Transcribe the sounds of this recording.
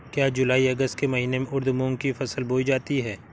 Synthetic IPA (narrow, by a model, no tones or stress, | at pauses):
kjaːd͡ʒʊlaːiɐɡəst̪kemɐɦiːnemẽʔʊɾd̪mʊ̃ŋɡ̚kifɐsəlboːid͡ʒaːt̪iɦɛː